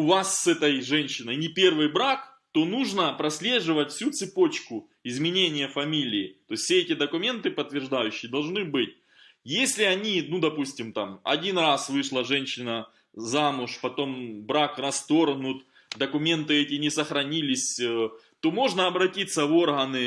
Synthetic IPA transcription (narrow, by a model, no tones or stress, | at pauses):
ʊvasːɛt̪əjʐɛnʲɕːɪnəjnʲɪpʲe̞rvɨjbɾak | t̪o̞nuʐnəpɾɐsʲlʲe̞ʐɨvətʲfsʲut̪sɨpo̞t͡ɕkʊ | ɪzmʲɪnʲenʲɪjəfɐmʲilʲɪːt̪o̞ɪsʲfsʲeɛtʲɪd̪əkʊmʲe̞nt̪ɨpət̪ːvʲɪrʐd̪ajʉɕːɪjəd̪ɐlˠʐnɨbɨtʲ | jesʲlʲɪɐnʲinud̪ɐpusʲtʲɪmt̪amɐ̰dʲinrasvɨʂlˠəʐɛnʲɕːɪnə | zamʊʂpɐt̪o̞mbɾakrɐst̪o̞rɦnʊt̪ | d̪ɐkʊmʲe̞nt̪ɨɛtʲɪnʲɪsəxɾɐnʲilʲɪsʲ | t̪o̞mo̞ʐnɐɐbɾɐtʲit̪sːəvo̞rɦɐnɨ